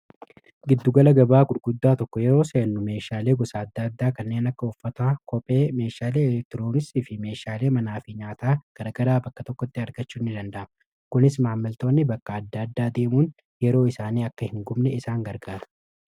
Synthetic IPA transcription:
ɡɪd̪ːʊɡɐlɐɡɐbaːɡʊɾɡʊd̪ːaːt̪ɔkːɔjɛɾo̞ːseːnːʊme̞ːʃaːle̞ːɡɔsaːɐd̪ːɐd̪ːaːkɐnːeːnɐkːɐɔfːɐt̪aːkɔpʼe̞ːme̞ːʃaːleːk̚t̪ɪɾoːnɪst̪iːfɪme̞ːʃaːle̞ːmɐnaːfɪɲaːt̪aːɡ̥ɐɾɐɡɐɾaːbɐkːɐt̪ɔkːɔt̪ːɪɐɾɡɐt͡ʃːuːɪnːɪd̪ɐnd̪ɐʔɐm | kʊnɪsmaːmːɐlt̪o̞ːnːɪbɐkʼːɐːd̪ːɐd̪ːaːd̪e̞ːmuːn | jɛɾo̞ːɪsaːniːɐkːɐhɪŋɡʊmnɛɪsaːŋɡɐɾɡaːt̪ɐ̥

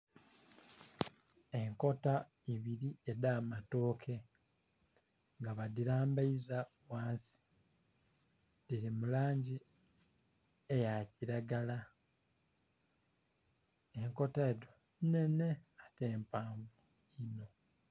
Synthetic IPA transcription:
eŋko̞taiβiɾiedamato̞ːkʰe̞ | ŋɡaβadiɾaːmbaiza | waːnsi̥ | diɾimulaːɲɟi | ejaciɾaɡala | eŋko̞taedone̞ne̞ate̞ːmpaːɱɡuino̞

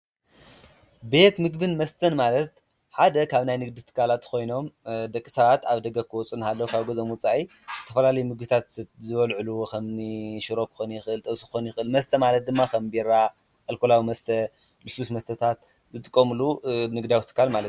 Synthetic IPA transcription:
be̞t̪mɨɡbɨnmɐst̪ʰɐnmalɐt̪ | ħad̪ɐkʰaβnajnɨɡd̪it̪ʰɨ̥kʰːalat̪kʰo̞jno̞md̪ɐkʼːisɐβat̪aβd̪ɐɡɐkʰːɨwɔt͡sʼunhalːɐwukʰaβɡozomwʊt͡sʼaʔi | zɨt̪ʰɐfɐlalɐjumɨɡbɨt̪ʰat̪zɨβɐlʕɨlukʰɐmniʃɨɾo̞kʰɨ̥xonjɪxɨʔɨlt̪ʼɐβsɨxonjɪxɨlmɐst̪ʰɐmalɐt̪̚d̪ɨmːakʰɐmbiɾa | ʔɐlkʰolawimɐst̪ʰɐ | lɨslusmɐst̪ʰɐt̪ʰat̪ | zɨt̪ʼɨkʼːɐmɨlunɨɡd̪awit̪ʰɨ̥kʰːalmalɐt̪

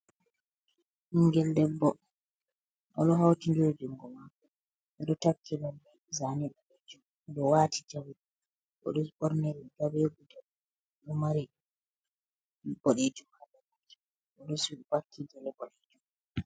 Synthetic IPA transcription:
ʔiŋɡɛldɛbːɔ | ʔɔɗɔɦawtid͡ʒod͡ʒuŋɡɔmakːɔ | ɛɗɔtakʰːilɔmbɛ | zaniɗɔɓɛd͡ʒum | ɗɔwaːtʰid͡ʒawiɗi | ɔ̰ɗɔɓɔɾnɛlɛɡaweɡudɛ | ɗɔmaɾiɗ | bɔɗed͡ʒumhabamad͡ʒi | ʔɔɗɔsubakːid͡ʒɛlɛbɔɗed͡ʒum

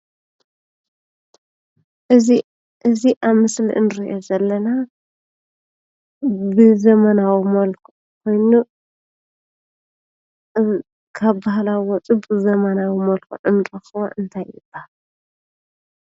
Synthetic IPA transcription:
ʔɨi | ʔɨziʔaβmɨslḭʔɨnɨɾiʔo̞zɐlːɐna | bɨzɐmɐnawimɐlkʰu | kʰo̞jnu | kʰaβbahlawwɔt͡sʼɨbʼɨzɐmɐnawimɐlkʰṵʕɨnɨɾɐxɨo̰ʔɨnt̪ʰajɨb̥ahal

